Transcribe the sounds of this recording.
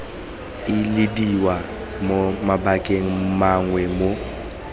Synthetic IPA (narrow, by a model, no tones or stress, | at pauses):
ilidiwa | momabakʼeŋ̩maŋwɛmo